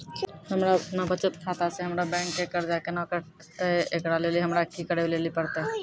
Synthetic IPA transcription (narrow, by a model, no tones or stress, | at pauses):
hɐmɾapnabət͡ʃət̪kʰaːt̪aseɦɐmɾabɛ̃ːŋkːekəɾd͡ʒakenãːkəɾ | t̪eʔekɽaleliɦɐmɾakikəɽelelipəɽt̪eɦ